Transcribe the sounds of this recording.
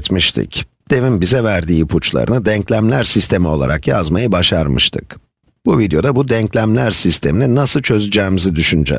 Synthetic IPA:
t̪miʃt̪ʰɪ̰c | d̪̥e̞vinbizɛvæɾd̪iːpʰut͡ʃlˠa̰ɾɯ̰nɯd̪ɛɲclʲæmlʲæɾsist̪ʰe̞mio̞lˠa̰ɾʔakja̰zmajɯbaʃaɾmɯ̰ʃt̪ʰɯ̰k | b̥uvid̪ejo̞d̪abud̪ɛɲclʲæmlʲæɾsist̪ʰe̞minʲɛnasɯlˠt͡ʃʰø̞zyd͡ʒɛːmizid̪yʃynd͡ʒɛ̰

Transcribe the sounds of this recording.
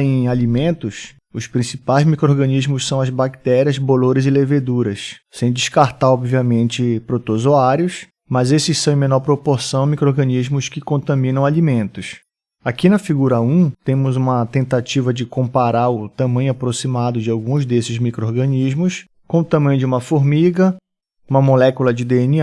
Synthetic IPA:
ẽj̃alimẽnt̪ʊs | ʊspɾĩsipajzmikɾoɾɡɐ̃nizmʊssɐ̃w̃ɐzbakt̪ɛɾiɐzboloɾɪzɪleved̪uɾɐssẽj̃d͡ʒɪʃkaɾt̪aɾɔbviɐmẽnt͡ʃɪpɾot̪ozoaɾjʊs | mɐzesɪssɐ̃w̃ẽmẽnɔɾpɾopoɾsɐ̃w̃mikɾoɾɡɐ̃niʒmʊskɪkõnt̪ɐ̃mĩnɐ̃w̃alimẽnt̪ʊs | akinɐfiɡuɾɐũt̪ẽmʊzũmɐt̪ẽnt̪at͡ʃivɐd͡ʒɪkõpaɾaɾʊt̪ɐ̃mɐ̃ɲʊapɾosimad̪ʊd͡ʒɪawɡũzd̪esɪzmikɾooɾɡɐ̃niʒmʊs | kõt̪ɐ̃mɐ̃j̃d͡ʒɪũmɐfoɾmiɡɐ | ũmɐmolɛkulɐd͡ʒɪd̪eeni

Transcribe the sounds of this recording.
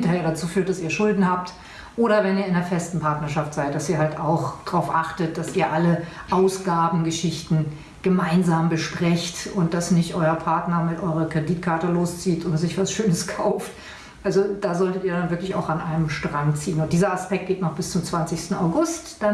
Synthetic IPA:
ntɐheːɐɾat͡suːfyːɐt̚d̥asiːɐʃʊldn̩haːp̚t | ʔoːɾɐvɛniːɐɪndeːɐfɛstn̩pʰaɐtnɐʃaftz̥aɪt̚d̥asiːɐhaltaʊxd̥ʁaʊfʔaχtət̚d̥asiːɐʔaləʔaʊsɡ̥aːbm̩ɡəʃɪçtn̩ | ɡ̥əmaɪnzaːmbəʃpʁ̥ɛçtʊnt̚d̥asnɪçtʔɔʏɐpʰaɐtnɐmɪtʔɔʏʁɐkʁ̥ɛdiːtkʰaɐtəloːst͡siːtʊntz̥ɪçv̥asʃøːnəskʰaʊft | ʔalzod̥aːzɔltətiːɐdanvɪɐklɪça̰ʊxanʔaɪnəmʃtʁ̥aŋt͡siːənʊnt̚d̥iːzɐaspɛk̚t̚ɡ̥eːtnɔχb̥ɪst͡sʊmt͡sv̥ant͡sɪçstn̩a̰ʊɡʊstd̥a

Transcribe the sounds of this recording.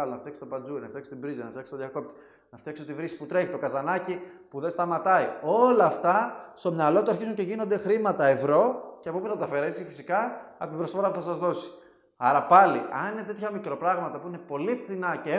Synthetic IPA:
ɐlonɐft̪jekst̪opɐnd͡zuinɐft̪ekso̥t̪ibɾizinɐft̪ekso̥t̪ðjɐko̞p̚t̪i̥ | nɐft̪jeksot̪ivɾisi̥put̪ɾe̞çit̪o̞kɐzɐnɐcipuðest̪ɐmɐt̪ɐio̞lɐːft̪ɐst̪o̞mɲɐlo̞t̪uɐɾçizuɲceʝino̞nd̪exɾimɐt̪ɐe̞vɾo̞ceɐpopuθɐt̪ɐfe̞ɾe̞sifisikɐɐ̰pt̪ibɾosfoɾɐpuθɐsɐzðo̞si̥ | ɐɾɐpɐlḭʔɐ̰nine̞t̪et̪ʰçɐmikɾo̞pɾɐɣmɐt̪ɐpuine̞po̞lifθinɐce

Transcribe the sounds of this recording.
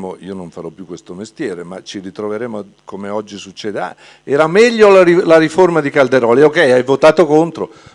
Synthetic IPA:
moiːonoɱfaɾɔpːjukːwest̪omest̪jɛːɾemat͡ʃiɾit̪ɾoveɾeːmo | komeɔd͡ʒːisut͡ʃːɛːd̪ea̰ | ɛːɾamɛʎːolailaɾiformad̪ikald̪eɾɔːliokɛjajvot̪aːt̪okont̪ɾo

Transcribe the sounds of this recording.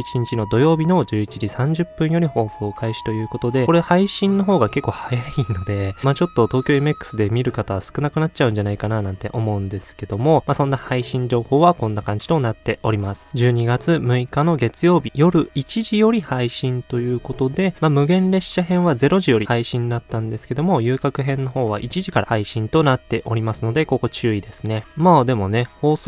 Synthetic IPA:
it͡ɕiɲ̟it͡ɕino̞d̪o̞jo̞ːbʲino̞d͡ʑɨːit͡ɕid͡ʑisãɲ̟d͡ʑɨpːɯ̟̃ɰ̃jo̞ɾʲiho̞ːso̞ːkʰaiɕi̥t̪o̞jɯ̟ːko̞t̪o̞d̪e̞ko̞ɾehaiɕĩnːo̞ɦo̞ːɡake̞kːo̞ːhajaino̞d̪e̞mat͡ɕo̞t̪ːo̞t̪o̞ːkʲoːemekːɯ̥sɨd̪e̞mʲiɾɯ̟kat̪aβasɨ̥kɯ̟nakɯ̟nat̚t͡ɕaɯ̟̃ɲ̟d͡ʑanaikananãnt̪e̞̰ʔo̞mo̞ɯ̟̃nd̪e̞sɨ̥ke̞d̪o̞mo̞masõ̞nːahaiɕĩɲ̟d͡ʑo̞ːho̞ːβakõ̞nːakãɲ̟d͡ʑi̥t̪o̞nat̪ːe̞o̞ɾʲimasɨ̥d͡ʑɨːɲ̟iɡat͡sɨmɯ̟ikano̞ɡe̞t͡sɨjo̞ːbʲijo̞ɾɯ̟it͡ɕiʑijo̞ɾʲihaiɕĩnt̪o̞jɯ̟ːko̞t̪o̞d̪e̞mamɯ̟ɡẽ̞nɾe̞ɕːaɦẽ̞ɰ̃βaze̞ɾo̞ʑijo̞ɾihaiɕĩnd̪at̪ːãnd̪e̞sɨ̥ke̞d̪o̞mo̞jɯ̟ːkakɯ̟ɦẽ̞nːo̞ho̞ːβa̰ʔit͡ɕiʑikaɾahaiɕĩnt̪o̞nat̪ːe̞ʔo̞ɾʲimasɨno̞d̪e̞ko̞ko̞t͡ɕɨːid̪e̞sɨne̞mad̪e̞mo̞ne̞ho̞ːs

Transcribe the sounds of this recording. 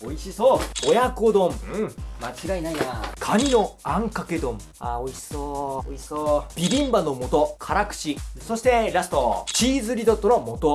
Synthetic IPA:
oiɕisoːojakod̪õmɯ̃mat͡ɕiɡainaijakʰaɲ̟ino̞ãŋkake̞d̪õ̞m | aoiɕi̥sooiɕsoːb̥ʲiɾʲĩmbanomo̞t̪okʰaɾakɯ̟̥ɕiso̞ɕi̥t̪e̞ɾasɨ̥t̪ot͡ɕiːzɨɾʲid̪ot̪ːoɾomo̞t̪o

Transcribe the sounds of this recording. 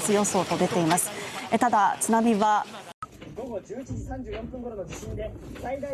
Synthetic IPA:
t͡sɨjõ̞so̞ːt̪o̞d̪e̞t̪e̞imasɨ̥et̪ad̪at͡sɨnamʲiβa | ɡo̞ɡo̞d͡ʑɨːit͡ɕiʑisãɲ̟d͡ʑɨːjõ̞mpɯ̃ŋɡo̞ɾonod͡ʑiɕĩnd̪e̞said̪a

